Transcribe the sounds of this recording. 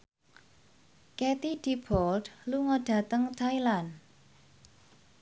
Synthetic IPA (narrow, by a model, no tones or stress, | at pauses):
kɛt̪id̪̥ib̥ɔld̥luŋəɖ̥a̤t̪əŋt̪ʰajlan